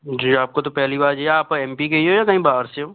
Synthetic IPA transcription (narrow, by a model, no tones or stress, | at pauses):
d͡ʒiːaːp̚kot̪̬opɛɦlibaːɾd͡ʒeaːpɛ̃ːmpikeiɦojakɐɦĩbaːɾseɦoː